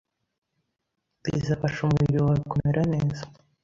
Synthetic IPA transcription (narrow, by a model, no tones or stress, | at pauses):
ḭzafaʃumuiɾiwaβikomeɾʔane̞ːzḁ